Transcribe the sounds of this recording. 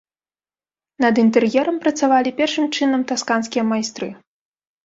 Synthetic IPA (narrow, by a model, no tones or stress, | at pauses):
nɐd̪int̪ɛrjɛɾɐmpɾɐt̪savalʲipʲɛrʂɨmt͡ʂɨnɐmt̪askanskʲijɐmajst̪ɾɨ